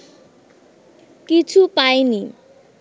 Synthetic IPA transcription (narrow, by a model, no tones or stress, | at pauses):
kit͡sʰupajni